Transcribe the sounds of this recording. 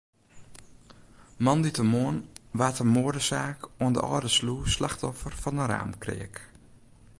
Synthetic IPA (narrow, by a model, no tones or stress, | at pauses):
mɔnditəmoənʋaːtəmoədəsaːkoəndə̰ʔɔ̰ːdəsluːslaxtɔfərfɔnəɾa̰ːmkrɪ̰ək